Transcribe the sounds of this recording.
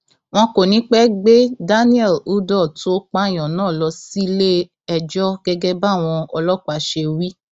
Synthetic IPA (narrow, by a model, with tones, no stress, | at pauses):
w̃ɔ̃˧ko˨nĩ˨˦k͡pɛ˦ɡ͡be˦da˦nĩ˦ɛ˦˨lu˨˦dɔ˦˨to˦k͡pa˦˨j̃ɔ̃˨nãː˦˨lɔ˧si˦le˦ | ɛ˧d͡ʒɔ˦ɡɛ˦ɡɛ˦ba˦˨w̃ɔ̃˧ɔ˧lɔ˦˨k͡pa˨˦ʃe˧wi˦